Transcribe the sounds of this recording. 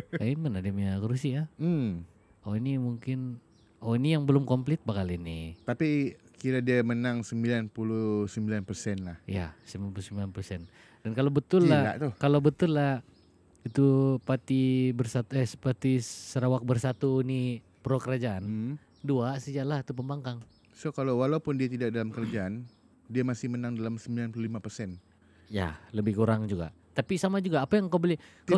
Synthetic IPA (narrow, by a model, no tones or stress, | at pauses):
aimənadimɲakoɾusiam̩ | onimuŋkɪn | onijaŋbəlʊmkɔmplɪt̪̚bakalinit̪apikiɾadiamənaŋsəmbilanpulusəmbilanpərsɛnlahija̰səmbilanpulusəmbilanpəlsɛn | d̥ankalawbət̪ʊlːaa̰t̪ʊkalawbət̪ʊlːah | it̪upat̪ibərsat̪ɛsəpat̪isəɾawak̚bərsat̪uni | pɾokəɾad͡ʒaʔan | duasəd͡ʒaʔlait̪upəmbaŋkaŋ | sohkalawwalapʊndiat̪idaʔk̚dalamkəɾad͡ʒaan | diamasɪhmənaŋdalamsəmbilanplulimapərsɛn | ja̰ləbɪhkuɾaŋd͡ʒuɡa̰ʔ | t̪apisamad͡ʒuɡaːpajaŋkabəlɪka